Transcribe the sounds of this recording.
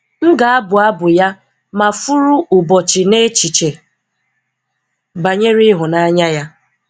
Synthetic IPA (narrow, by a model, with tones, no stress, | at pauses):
ŋ̩˦ɡa˨a˦bʊ˨a˦bʊ˨ja˦ | ma˨fu˦ɾu˦ʊ˨bɔ˨t͡ʃɪ˨ne˦t͡ʃi˨t͡ʃe˨ | ba˨ɲe˦ɾi˦ɦʊ˨na˦ɲa˦ja˦